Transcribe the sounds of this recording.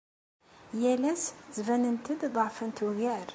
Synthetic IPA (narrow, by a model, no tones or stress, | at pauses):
jælæst͡svænənt̪əd̪ðˤɑʕfənt̪wɣæɾ